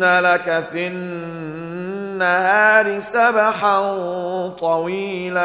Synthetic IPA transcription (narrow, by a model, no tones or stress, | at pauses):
nalakaθɪn | ahaːɾisabaħa | t̪ˤɑwiːla